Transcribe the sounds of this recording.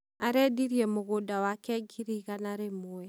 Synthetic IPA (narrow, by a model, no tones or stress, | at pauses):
aɾɛdiɾiɛmoɣodawakɛɡiɾiɣanaɾemoɛ